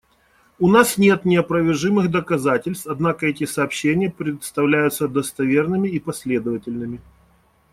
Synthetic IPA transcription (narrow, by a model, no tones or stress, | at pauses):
ʊnasnʲe̞t̪nʲɪɐpɾəvʲɪrʐɨmɨɣd̪əkɐzatʲɪlʲst̪ɐd̪nakəɛtʲɪsɐːpɕːenʲɪjəpɾʲɪt̪st̪ɐvlʲæjʊt̪səd̪əst̪ɐvʲe̞rnɨmʲɪipɐsʲlʲe̞d̪əvətʲɪlʲnɨmʲɪ